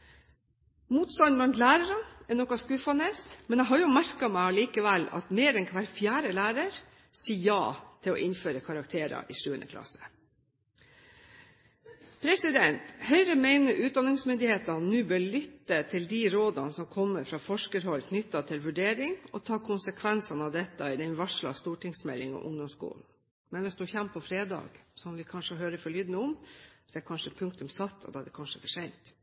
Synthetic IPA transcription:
muːt̪st̪ɑnblɑnt̪læːɾəɾəɛnɔkɑskʉːfɑneːsmɛnæɪɦɑɾjʊmæɾkɑmæɪɑliːkəʋɛlɑ̰t̪meːɾɛnkʰʋæɾfjæːɾəlæːɾəɾ | siːjɑ̰ːt̪ʰɪlɔ̰ʔɪnføːɾəkʰɑɾɑkt̪ʰeːɾɑ̰ʔɪːʂʉːə̰nə̰kʰlɑ̰sə̥ | pʰɾɛsɪd̪ɛnt̪hœʏɾəmæɪnəʔʉːt̪̚d̪ɑnɪŋsmʏnd̪ɪheːt̪ɑnʉːbøːɭʏt̪ːət̪ʰɪld̪iɾoːd̪ɑnəsɔmkʰɔmːəɾfɾɑːfɔʂkəɾhɔlkʰnʏt̪ːɑt̪ʰɪlʋʉɖeːɾɪŋɔt̪ʰɑːkʰʊnsəkʰʋɛnsɑnəɑʋd̪ɛt̪ːəɪd̪ɛnʋɑʂɭɑ̰st̪uːʈɪŋsmɛlːɪŋɔ̰ʔʊ̰ŋd̪ɔmskṵːln̩ | mɛnʋɪsd̪ʉçɛmpʰːɔfɾeːd̪ɑ̰ːɡ̥sɔmʋɪkʰɑnʂəɦøːɾəfɔɭyːd̪nəʊmsɛkʰɑnʂəpʰʉŋk̚t̪ʉmsɑt̪ːɔ̰d̪ɑd̪ɛkʰɑnʂəfɔʂɛɪnt̪

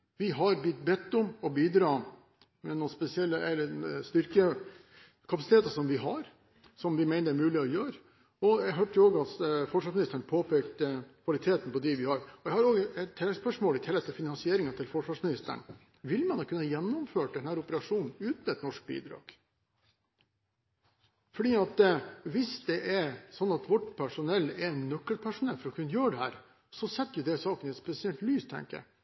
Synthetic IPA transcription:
ʋɪɦɑɾbʏt̪ːbɛt̪ːʊmɔbiːd̪ɾɑː | mɛnuːnspɛsɪɛlːəɛlːəɛst̪ʏɾkə | kʰɑpɑsɪt̪ʰeːt̪ɑsɔmʋɪɦɑɾ | sɔmʋɪmæɪəɾæɾmʉːlɪɔjøːɾə | ɔæɡɦøːʈoːɡɑt̪fɔʂʋɑːʂmɪnɪst̪əɳpʰoːpʰeːkt̪əkʰʋɑlɪt̪ʰeːt̪n̩pɔd̪ɪʋɪhɑɾɔjæɪhɑɾoːɡɛt̪ʰːɛlɛspœʂmoːlɪt̪ʰɛlːɛt̪ʰɛlfɪnɑnsɪeːɾɪŋɑt̪ʰɪlfɔʂʋɑːʂmɪnɪst̪ə̰ɳ | ʋɪlmɛnd̪ɑkʉnːəjɛnːʊmføːʈ̚d̪ɛnhæːɾʊpəɾɑʂuːnn̩ʉːt̪n̩ɛt̪nɔʂk̚bḭːd̪ɾɑ̰ːɡ̥ | fɔɖiːɑt̪ʋɪsd̪ɛʔɛɾsɔnːɑt̪ʋɔʈːpʰæʂʊnɛlːɛɛnːœkːəlpʰæʂʊnɛlfɔɾɔkʰʉnːjøːɖɛhæːɾ | sɔsɛt̪ːjʊd̪ɛsɑːkənɛt̪spɛsɪɛlt̪lyːst̪ʰɛ̰ŋkə̰

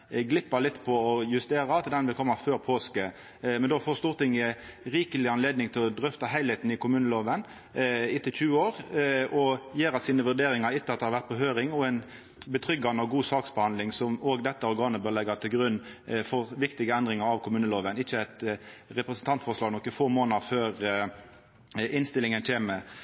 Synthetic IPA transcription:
ɡlɪpːəlɪt̪ːpʰɔɔjʉst̪eːɾɑɑt̪d̪ɛnʋɪlkʰɔmːɑføːʁpʰoːskə | mɛnd̪oːfoːst̪uːʁt̪ɪŋːəɾiːkəlɪɑnleːd̪nɪŋt̪ʰɪlɔd̪ɾʏft̪ɑɦæɪheːt̪n̩ɪkʊmʉːnəloːʋən | ɪt̪ʰːɪçʉːəoːʁɔjeːɾɑt̪siːnəʋʉʁd̪eːɾɪŋɑɾɪt̪ːəɑt̪d̪ɛhɑɾʋæʁt̪̚pɔɦøːɾɪŋɔɛn | bət̪ʰɾʏɡːɑnəɔɡuːsɑːksbɛhɑnd̪lɪŋsɔmoːɡd̪ɛt̪ːəɔɾɡɑːnəbøːʁlɛɡət̪ʰɪlɡɾʉnːfɔʁʋɪkt̪ɪɡəɛnd̪ʁɪŋəɾɑʋkʰʊmʉːnəloːʋənɪçːəæt̪ɾɛpɾɛsn̩t̪ʰɑnt̪fɔʁʂlɑːɡnɔkːəfoːmoːnəɾføːɾ | ɪnst̪ɪlɪŋənc͡çeːmə

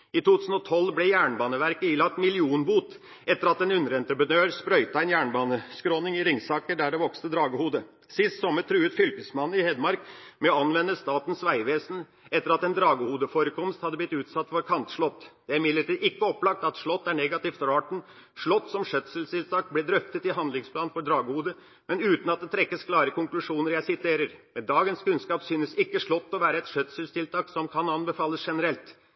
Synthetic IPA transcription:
ɪt̪ʰuːt̪ʰʉːsn̩ɔt̪ʰɔlːblɛjæːɳbɑːnəʋæɾkəiːlɑk̚t̪mɪlɪuːnbuːt̪ | ɛt̪ːəɾɑt̪ɛnʉnːəɾɛnt̪ɾəpɾənøːɾspɾœʏt̪əæɪnjæːɳbɑːnəskɾoːnɪŋɪɾɪŋsɑːkəɖæɖɛʋɔkst̪əd̪ɾɑːɡəhuːd̪ə | sɪst̪sɔmət̪ʰɾʉːət̪fʏlkəsmɑnːɪhɛd̪mɑɾkmɛɔɑnʋɛnːəst̪ɑːt̪n̩sʋæɪʋeːsn̩ | ʔɛt̪ːəɾɑt̪ɛnd̪ɾɑːɡəhuːd̪əfɔɾəkʰɔmst̪hɑd̪ːəblɪt̪ʉːt̪sɑt̪ːfɔɾkʰɑnt̪ʂɭɔt̪ːd̪̥ɛæɾmɪd̪ləʈiːd̪ɪkːəɔpːlɑk̚t̪ɑt̪ʂɭɔt̪ːæɳɛɡɑt̪ɪːft̪ɔɾɑːʈɳ̩ | ʂɭɔt̪ːsɔmʂœt̪səlst̪ɪlt̪ʰɑːk̚blɪd̪ɾœft̪ət̪ɪɦɑnd̪lɪŋspʰlɑːnfɔɖɾɑːɡəhuːd̪ə | mɛnʉːt̪n̩ɑt̪̚d̪ɛt̪ʰɾɛkːəskʰlɑːɾəkʊŋklʉʂuːnəɾjæɪsɪt̪ʰeːɾəɾmɛnd̪ɑːɡənskʉnskɑːpsyːnəsɪkːəʂɭɔt̪ːɔʋæːɾəɛt̪ʂœt̪səlst̪ʰɪlt̪ʰɑːksɔmkʰɑnɑnbəfɑːlːəsʂɛnəɾɛlt̪

